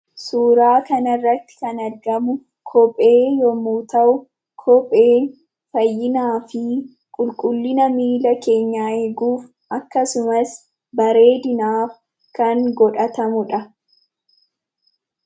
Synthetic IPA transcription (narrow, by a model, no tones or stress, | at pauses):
suːɾaːkɐnɐrːɐt̪ːɪ̥kɐnɐɾɡɐmʊ | kʰɔpʼe̞ːjɔmuːt̪ɐʔʊ | kʰɔpʼːeːn | fɐjːɪnaːfɪ | kʼʊlkʼʊlːɪnɐmiːlɐke̞ːɲːaːɛɡuːf | ʔɐkːɐsʊmɐs | bɐɾe̞ːd̪ɪnaːf | kɐŋɡɔᶑɐt̪ɐmʊᶑɐ